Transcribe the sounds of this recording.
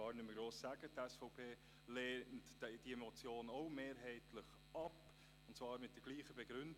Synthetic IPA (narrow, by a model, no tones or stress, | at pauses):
ɑːɾnʏməɡɾoːsːæːɡətɛsfɔʊpʰeː | leːntd̥iemɔt͡sjoːnoʊmeːɾɦɛɪtʰləχ | ɑp | ʊn̩tt͡svɑːɾmɪt̚d̥ɛɡliːχəbɛɡ̥ɾʏnd